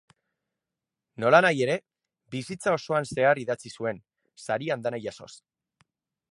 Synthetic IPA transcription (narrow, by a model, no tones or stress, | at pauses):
no̞lanaje̞ɾe̞ | bisit͡sao̞so̞anse̞ariðat͡sisue̞n | saɾiand̪anajaso̞̰s